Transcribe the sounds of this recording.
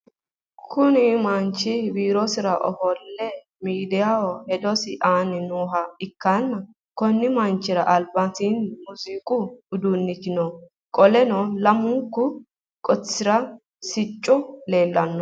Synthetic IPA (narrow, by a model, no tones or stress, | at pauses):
kʰʊnɪmɐnt͡ʃːɪbiːɾɔsɪɾɐʔɔ̰hɔlːɛ | miːd̪ɪjawɔhɛd̪ɔsɪʔaːnɪnuːɦɐɪkːanːɐ | kɔnːɪmɐnt͡ʃːɪɾɐʔɐlbɐt̪inmʊziːkʼʊʊd̪uːnːɪt͡ʃːɪnɔ | kʼɔlɛnɔlɐmʊŋkːʊ | kʼɔt͡sːɪɾɐ | sɪt͡ʃʼːɔle̞ːlːɐnːɔ